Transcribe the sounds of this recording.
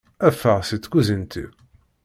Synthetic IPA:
æfːəʁsit͡sːkuzənt̪ʰḭ

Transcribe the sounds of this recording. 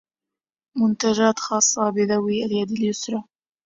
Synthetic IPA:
mʊnt̪ad͡ʒaːt̪xɑːsˤːɑbɪðawiːʔaljad̪aljʊsɾɑ

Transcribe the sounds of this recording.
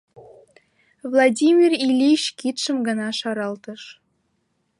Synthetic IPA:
vlˠɑdʲimʲirilʲiɕkit̪ʃə̆mɡɤ̆nɑʃɑɾɑlt̪ɤ̆ʃ

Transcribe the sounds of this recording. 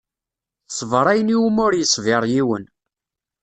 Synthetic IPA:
sˤəvɾˤæjəniwumʊɾjəsˤːveɾˤjiwən

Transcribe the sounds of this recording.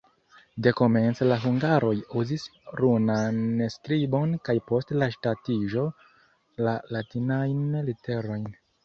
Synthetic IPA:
de̞ko̞me̞nt͡slaɦuŋɡaɾo̞juzisɾunanskɾibo̞nkajpo̞stlaʃtatiʒo̞ | lalatinajnlite̞ɾo̞jn

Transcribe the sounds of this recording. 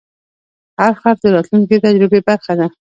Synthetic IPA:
haɾxaɾd̪əɾɑt̪lunket̪ad͡ʒɾɪbebaɾxad̪a

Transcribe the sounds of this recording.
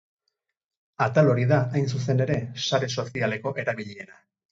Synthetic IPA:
at̪alo̞ɾiðaajnsus̬e̞ne̞ɾe̞saɾe̞so̞siale̞ko̞ʔe̞ɾaβiʎie̞na

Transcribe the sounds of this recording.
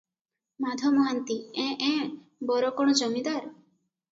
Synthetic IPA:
mad̪ʱɔmɔɦant̪iɛ̃ʔɛ̃ | bɔɾɔkɔɽ̃ɔd͡ʒɔmid̪aɾ

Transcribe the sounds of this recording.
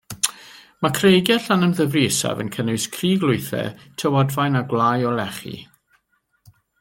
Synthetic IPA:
makʰrejɡjɛɬanənðəvriːsa̰və̰nkʰənʊwskʰriːɡlˠʊɨθɛ̰tʰəwɔdvajnaɡlˠaːjɔlɛχḭ

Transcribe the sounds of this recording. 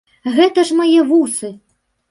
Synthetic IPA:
ɣɛt̪ɐʐmajɛvusɨ

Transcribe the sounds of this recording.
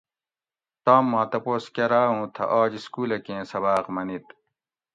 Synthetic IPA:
t̪aːmːãːt̪ɐpoːskɐɾaːũːt̪ʰɐ̰ʔaːd͡ʑiskuːlɐkẽːsɐbaːqmɐnit̪

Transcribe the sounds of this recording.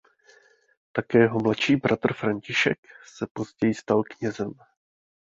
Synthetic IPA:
t̪akɛːɛɦomlaʃiːbɾʔat̪r̩fɾaɲcɪʃɛksɛpo̞zɟɛjɪst̪alkɲɛzɛm

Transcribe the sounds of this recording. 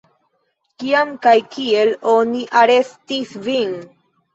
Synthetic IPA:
kiamkajkie̞lo̞niʔaɾe̞stisvin

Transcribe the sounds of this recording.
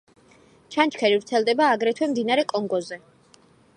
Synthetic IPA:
t͡ʃʰant͡ʃʰkʰɛɾivɾt̪sʰɛlˠd̪ɛbaːɡɾɛt̪ʰwɛmd̪inaɾɛkʼɔŋɡɔzɛ

